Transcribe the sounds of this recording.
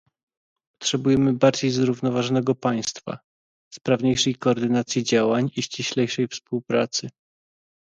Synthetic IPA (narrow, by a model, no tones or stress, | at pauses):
pɔ̥tʂɛbujɛmɘbaɾd͡ʑejzɾuvnɔvaʐɔnɛɡɔpaj̃st̪fa̰ | spɾavɲejʂɛjkɔːɾd̪ɘnat̪sʲjid͡ʑawaɲiɕt͡ɕiɕlɛjʂɛjfspuwpɾa̰t̪sɘ